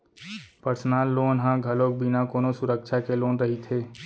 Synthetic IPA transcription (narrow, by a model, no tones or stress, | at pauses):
pəɾsnaːlːoːnɦãɡʱɐloːk̚bʱinakoːnõsʊɾəkʃʰakeloːnɾəɦit̪ʰeː